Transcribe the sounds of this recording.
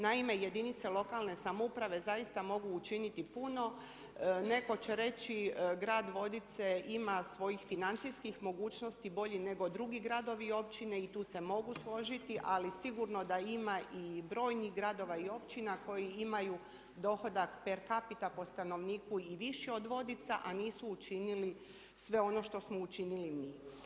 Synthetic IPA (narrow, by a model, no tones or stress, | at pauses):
naime̞je̞d̪init̪se̞lˠo̞kalˠne̞samoupɾaʋe̞zajist̪amo̞ɡuːt͡ʃinit̪ipuno̞ | ne̞ko̞t͡ɕe̞ɾe̞t͡ʃiɡɾaːd̪ʋo̞d̪it̪se̞imasʋo̞jixfinant̪sijskixmo̞ɡuːt͡ʃno̞st̪ibo̞ʎine̞ɡo̞d̪ɾuɡiɡɾad̪o̞ʋio̞pt͡ʃine̞it̪uːse̞mo̞ɡuslˠo̞ʒit̪iʔalisiɡuɾno̞d̪aimaʔibɾo̞ːjniɣɡɾad̪o̞ʋaio̞pt͡ɕinako̞jiimaju | d̪o̞xo̞d̪akpeɾkapit̪apo̞st̪ano̞ʋniːkuiʋiʃio̞d̪ʋo̞d̪it̪sa̰ʔaniːsuːt͡ʃinili | sʋe̞o̞no̞ʃt̪o̞smout͡ʃinilimiː